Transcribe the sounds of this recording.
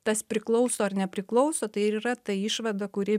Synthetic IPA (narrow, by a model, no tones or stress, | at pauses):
t̪ɐspʲɾʲɪklˠɒʊsoːɐɾnʲɛpʲɾʲɪklˠɒʊsoːt̪ɐɪɪɾiːɾɐt̪ɐiːʃʋɐd̪ɐkʊɾʲiː